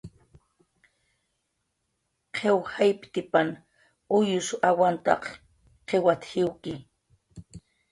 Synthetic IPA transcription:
qʰewhajpt̪ɪpan | ʊjʊsawant̪ɑ̰q | qʰewat̪hɪwkɪ

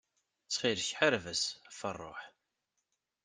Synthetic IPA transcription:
t͡sːχiɾçħaɾvəsfə̰rˤːo̰ħ

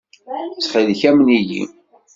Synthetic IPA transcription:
t͡sːχiðçæmnijḭ

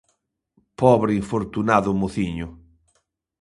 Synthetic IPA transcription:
pɔβɾɪiɱfoɾt̪unaðʊmoθiɲʊ

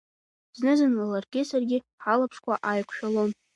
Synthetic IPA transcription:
znɨzɨnlalarɡʲɪsarɡʲɪ | ħalapʰʂkʷʰaʔajkʷʰʃᶣalon

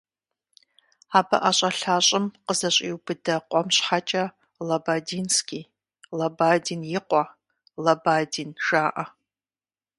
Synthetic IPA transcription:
aːbɐ̰ʔaɕʼɐɬaːɕʼɪmqəzɐɕʼḭwbɨdɐqʷʼɔmɕħat͡ʃʼɐ | lɐbaːdiːnskʲʼiː | lɐbaːdiːnjɪqʷɔ | lɐbaːdiːnʒ̥aːʔɐ

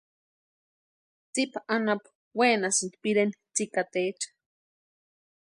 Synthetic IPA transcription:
t͡sipaʔanap | wenasint̪piɾent͡sikat̪et͡ʃ

